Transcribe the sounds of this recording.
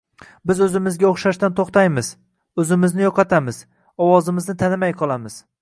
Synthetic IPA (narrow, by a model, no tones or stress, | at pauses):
bɪzɵzɪmɪzɡʲaoχʃaʃt̪ant̪ʰoχt̪ajmɪz̥ | ɵzɪmɪznɪjɒqɑt̪ʰamɪz̥ | ɒwɒzɪmɪznɪt̪ʰanɪmajqʰɒlˠamɪz̥